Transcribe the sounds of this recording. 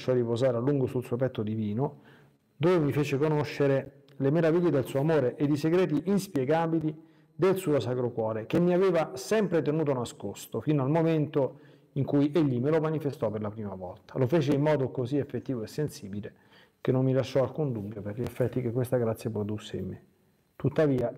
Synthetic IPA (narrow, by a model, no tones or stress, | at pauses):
ʃɔɾipozaːɾalːuŋɡosulsuːopɛt̪ːod̪iviːno | d̪ovemifeːt͡ʃekonoʃːeɾe | lemeɾaviʎːed̪elsuːoamoːɾeʔed̪iseɡɾɛːt̪̬iʔinspjɛɡaːbili | d̪elsuːosakɾokwɔːɾek̟emːiaveːvasɛmpɾet̪enuːt̪onaskost̪ofinoalmoment̪o | iŋkujʔeʎːimelomanifest̪ɔperlapɾiːmavɔ̰lt̪ḁlofeːt͡ʃeimːɔːd̪okoziefːet̪ːiːvoesːensiːbile | kenːomːilaʃːɔalkund̪ubːjoperʎiefːɛt̪ːik̟ekːwest̪aɡɾat̪sjapɾod̪usːeimːe | t̪ut̪ːaviːa